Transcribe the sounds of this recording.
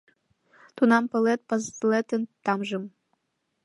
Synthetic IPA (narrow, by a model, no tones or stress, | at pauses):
t̪unɑmpɤ̆let̪̚pɑzlet̪ə̆nt̪ɑmʒə̆m